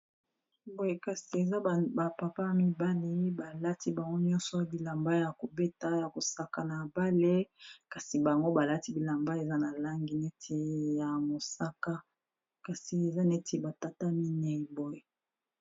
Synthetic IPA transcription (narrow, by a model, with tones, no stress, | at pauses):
bo˨je˨ka˨si˨e˨za˦ba˨pa˨pa˦mi˦ba˦li˦ba˨la˦tʰi˦ba˨ŋɡo˦ɲɔ̃˦nsɔ˨bi˨la˨mba˦ja˨ko˨be˦ta˦ja˨ko˨sa˦ka˨na˨ba˦le˦ka˨si˨ba˨ŋɡo˦ba˨la˦ti˦bi˨la˨mba˦e˨za˦na˨la˦ŋɡi˨nɛ˦tʰe˨ja˨mo˨sa˦ka˦ | ka˨si˨e˨za˦nɛ˦tʰe˨ba˨ta˦ta˦mi˦nɛ˨i˨bo˦je˨